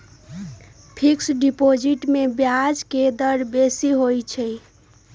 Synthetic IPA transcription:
pʰiksɖipod͡ʒiʈmebjad͡ʒked̪əɾbesiɦojt͡ʃʰəj

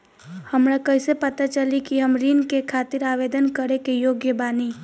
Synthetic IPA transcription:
həmɾakəɪsepət̪at͡ʃəlikiɦəmɾinkekʰaːt̪iɾaʋed̪ənkəɾekejoːɡjəbaːni

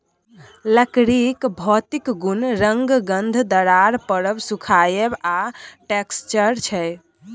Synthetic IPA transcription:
ləkɾikbʱɔt̪ikɡunɾəŋɡɡənd̪ʱd̪əɾaɾpəɾəbsukʰajebaʈekst͡ʃəɾt͡ʃʰɛj

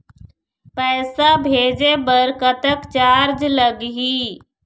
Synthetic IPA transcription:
pɛːsabʱeːd͡ʒebəɾkət̪əkt͡ʃaːɾd͡ʒləɡɦi

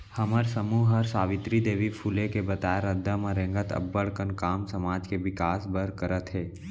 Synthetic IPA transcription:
həməɾsəmuːɦəɾsaːʋɪt̪ɾid̪eːʋipʰulekebət̪aːjeɾəd̪ʱːəmãɾẽŋɡət̪ə̰bːəɽkənkaːmsəmaːd͡ʒkeʋɪkaːsbəɾkəɾət̪ɦɛː

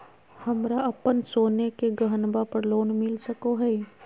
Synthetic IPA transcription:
hɐmɾaɐpənsoːnekeɡɐɦənbapɐɾloːɳmɪlsɐkoɦɛi

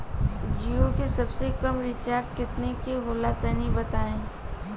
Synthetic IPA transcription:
d͡ʒiokesɐbsekɐmɾɪt͡ʃaːɾt̪kɪt̪nekeɦoːlat̪ənibɐt̪aːẽː

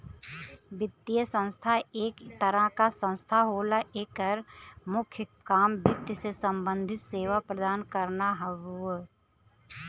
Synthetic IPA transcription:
bɪt̪ːijəsə̃nst̪ʰaeːkt̪əɾakasə̃nst̪ʰaɦoːlaʔeːkəɾmʊkʰjəkaːmbɪt̪jəsesə̃mbə̃nd̪ʱɪt̪seːʋapɾəd̪aːnkəɾnaɦəʋu

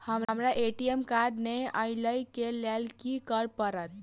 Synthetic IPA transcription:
həmmɾaʔeʈiemkaɖneəɪləjkelalkikəɾpəɾət̪̚

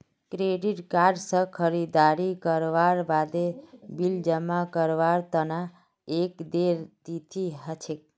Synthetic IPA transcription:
kɾeɖiʈkaɾɖsə̃kʰəɾid̪aɾikəɾʋaɾbad̪ebild͡ʒəmakəɾʋaɾt̪əna | ekd̪eɾt̪it̪ʰiɦət͡ʃʰek̚

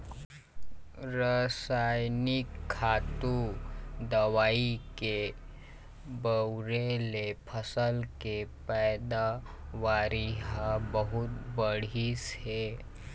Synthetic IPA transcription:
ɾəsajnikʰːat̪ud̪əʋaike | bəwɾelepʰəsəlkepɛjd̪a | ʋaɾiɦabəɦut̪bəɽ̤ishe

